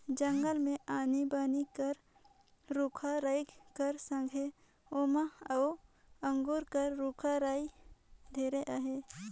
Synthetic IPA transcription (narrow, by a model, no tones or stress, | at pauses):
d͡ʒəŋɡəlmẽaːnibaːnikəɾ | ɾuːkʰaɾaːjkəɾsə̃ŋɡʱe | oːmaəʊ | ə̃ŋɡuːɾkəɾɾuːkʰaɾaːid̪ʱeːɾeʔaɦeː